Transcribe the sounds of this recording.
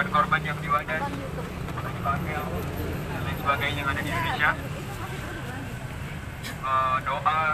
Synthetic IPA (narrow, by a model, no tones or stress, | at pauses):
adkɔrbanjaŋdiwadas | ana | alansəbaɡajd͡ʒaŋadadindonesia | ədoʔa